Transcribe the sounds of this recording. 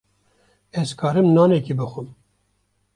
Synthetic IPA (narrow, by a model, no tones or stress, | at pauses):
ɛzkʰɑːɾɨmnɑːnɛkibɨxʷɨm